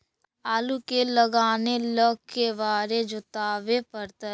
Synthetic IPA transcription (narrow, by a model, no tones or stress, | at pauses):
aːlukeləɡaːneləɡ̚keʋaːɾed͡ʒʊt̪aːʋepəɾt̪ə